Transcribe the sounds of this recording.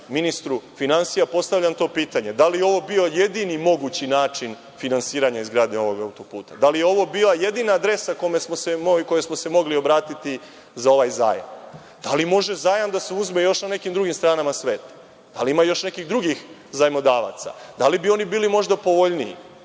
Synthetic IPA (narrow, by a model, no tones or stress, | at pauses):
minist̪ɾufinansijapo̞st̪avʎʲamt̪o̞ːpiːt̪aɲe̞d̪alijeo̞ʋo̞bio̞je̞d̪inimo̞ɡut͡ɕinaːt͡ʃin | finansiːɾaɲaizɡɾaːd̪ɲeo̞ʋo̞ɡaut̪o̞pṵːt̪a̰d̪alijeo̞ʋo̞biːlˠaje̞d̪inaːd̪ɾe̞sakomesmosemoko̞jesmose̞mo̞ɡlio̞bɾaːt̪it̪i | zao̞ʋajza̰ːja̰m | d̪̥alimo̞ʒe̞zaːjamd̪aseuzme̞jo̞ʃnane̞kimd̪ɾuɡimst̪ɾaːnamasʋe̞ːt̪ | d̪̥aliimajo̞ʃnekiɣd̪ɾuɡix | zajmod̪aːʋa̰t̪sa̰d̪alibio̞nibiːlimo̞ʒd̪apo̞ʋoʎniḭ